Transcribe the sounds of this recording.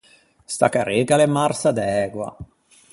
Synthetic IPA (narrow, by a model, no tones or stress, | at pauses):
st̪a̰kaɾeːɡalemarsad̪ɛːɡwa̰